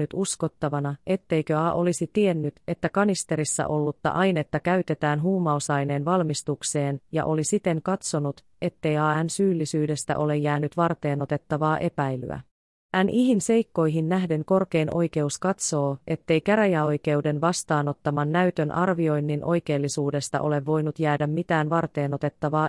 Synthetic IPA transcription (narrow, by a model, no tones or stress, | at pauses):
yt̪usko̞t̪ːɑʋɑnɑʔe̞t̪ːe̞jkøɑːʔo̞lisit̪ie̞nːyt̪e̞t̪ːækɑnist̪e̞ɾisːæ̰ʔo̞lːut̪ːɑ̰ʔɑjne̞t̪ːækæyt̪e̞t̪æːnɦuːmːɑosɑjne̞ːnʋɑlmist̪ukse̞ːnjɑ̰ʔo̞lisit̪e̞ŋkɑt̪so̞nut̪ | e̞t̪ːe̞jɑːænsyːlːisyːde̞st̪æ̰ʔo̞le̞jːæːnːyt̪ʋɑrt̪e̞ːno̞t̪e̞t̪ːɑʋɑːʔe̞pæjly̰æ̰ | ænʔiɦinse̞jkːo̞jɦinːæɦde̞ŋko̞rke̞jnʔo̞̰jk̟e̞uskɑt̪so̞ːe̞t̪ːe̞jkæɾæjæo̞jke̞ude̞nʋɑst̪ɑːno̞t̪ːɑmɑnːæyt̪ønʔɑrʋio̞jnːinʔo̞jke̞ːlːisuːde̞st̪ɑ̰ʔo̞le̞ʋːo̞jnut̪jæːdæmːit̪æːnʋɑrt̪e̞ːno̞t̪e̞t̪ːɑʋɑː